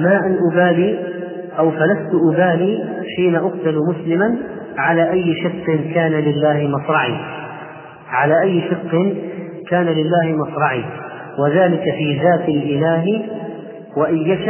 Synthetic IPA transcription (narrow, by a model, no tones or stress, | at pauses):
maːʔanʔʊbaːliː | ʔawfalast̪ʊʔʊbaːliːħiːnaʔʊq̚t̪almʊslɪman | ʕalaːʔajːʃɪqːɪnkaːnalɪlːaːhɪmɑsɾˤɑʕḭː | ʕalaːʔajːʃɑqːɪn | kaːnalɪlːaːhɪmɑsɾˤɑʕḭː | wɪðaːlɪkafiːðaːt̪alʔɪlaːɦ | waʔajːaʃ